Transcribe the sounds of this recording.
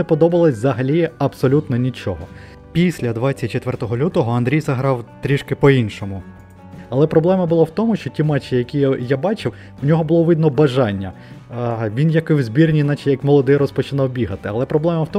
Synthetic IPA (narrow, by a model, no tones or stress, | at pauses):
epɔd̪ɔbɐlˠɐsʲzɐɦɐlʲiɐbsɔlʲut̪nɔnʲit͡ʃɔɦɔ | pʲisʲlʲɐd̪ʋɑt͡sʲɐt̚ʲt͡ʃet̪ʋɛrt̪ɔɦɔlʲut̪ɔɦɔɐnd̪ɾʲijzɐɦɾɑwt̪ɾʲiʃkɪpɔinʃɔmʊ | ɐlˠɛpɾɔblˠɛmɐbʊlˠawt̪ɔmʊʃt͡ʃɔtʲimɑt͡ʃːijɐkʲijjabɑt͡ʃɪw | unʲɔɦɔbʊlˠɔʋɪd̪nɔbɐʒɑnʲːɐ | ʋʲinjɐkɪwzʲbʲirnʲinɑt͡ʃijɐkmɔlˠɔd̪ɪjɾɔspɔt͡ʃɪnɑwbʲiɦɐt̪ɪɐlˠɛpɾɔblˠɛmɐwt̪ɔ